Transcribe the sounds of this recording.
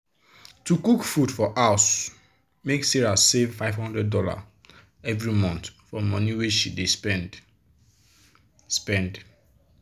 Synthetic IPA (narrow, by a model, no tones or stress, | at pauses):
tukukfudfɔʔaʊs | meksiɹasevfaɪv̥hɔ̃ndɹɛd̚dɔla̰ | ɛvɹimɔ̃ntfɔmɔniweʃidespɛ̃nd | spɛ̃nd